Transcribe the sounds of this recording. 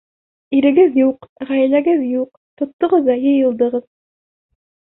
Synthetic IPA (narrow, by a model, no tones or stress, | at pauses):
iɾɘ̆ɡɘðjuqʁæjlæɡɘðjuq̚ | t̪ŏt̪ːŏʁɤðːɑjɤ̆jɤ̆lˠd̪ɤ̆ʁɤð